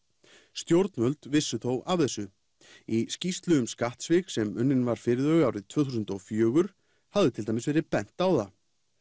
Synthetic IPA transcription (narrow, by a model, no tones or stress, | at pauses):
st̪jowɾt̪nmvœlt̪vɪsːʏθowavθɛsːʏ | iscist̪lʏɣʏmskaht̪svɪksɛmʏnːɪnvaɾ̥fɪɾɪðœɣawɾɪðt̪ʰvœːθus̬ʏnt̪ɔfjœːɣʏɾ̥ | havðɪt̪ʰɪlt̪ajmɪsvɛːɾɪpɛn̥t̪awða